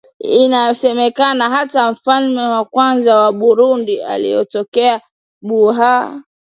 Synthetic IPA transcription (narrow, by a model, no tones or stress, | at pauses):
inajɔsɛmɛkanaɦataɱ̩falmɛwakwanzawaɓuɾundia̰lḭjɔ̰tɔkɛa | ɓuɦa